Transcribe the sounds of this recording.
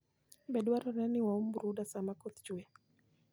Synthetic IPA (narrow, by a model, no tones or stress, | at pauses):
bɛɗwaɾananiwaumbuɾuɗasamakɔt̪t͡ʃuɛ